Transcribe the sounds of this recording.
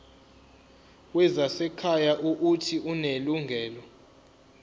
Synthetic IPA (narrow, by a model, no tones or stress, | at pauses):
wɛzasɛkʰajaʔuʔutʰiʔuneluŋɡʱɛːlɔ